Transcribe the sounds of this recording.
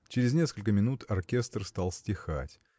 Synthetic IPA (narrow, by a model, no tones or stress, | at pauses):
t͡ɕɪɾʲɪznʲe̞skəlʲkəmʲɪnut̪ɐrkʲest̪rst̪alˠsʲtʲɪxa̰tʲ